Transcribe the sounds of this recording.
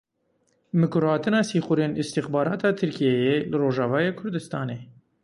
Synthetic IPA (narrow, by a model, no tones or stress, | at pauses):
mɨkʊɾhɑːt̪ɨnɑːsiːxuɾeːnɪst̪ixbɑːɾɑːt̪ʰɑːt̪ʰɨɾkʰijejelɨroːʒɑːvɑːjeːkʰʊɾd̪ɨst̪ɑːneː